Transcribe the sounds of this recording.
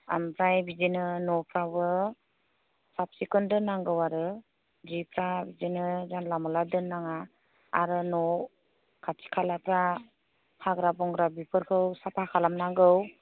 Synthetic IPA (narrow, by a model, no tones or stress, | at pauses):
a̰mpʰɾajbid͡ʒenɯnɔpʰɾabɯ | sap̚sikɔndɯnaŋɡɯwaɾɯ | d͡ʒipʰɾabizenɯzanlamɔladɯnaŋa | a̰ɾɯnɔ | kʰatʰi̥kʰalapʰɾa | pʰaɡɾabɔŋɡɾabipʰɯɾkʰɯwsapʰakʰalamnaŋɡɯw